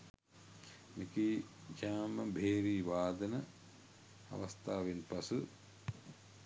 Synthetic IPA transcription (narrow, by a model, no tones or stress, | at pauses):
mekid͡ʒaːməbʱeːɾiːʋaːd̪ənə | ɐ̰ʋɐst̪aːʋenpɐsu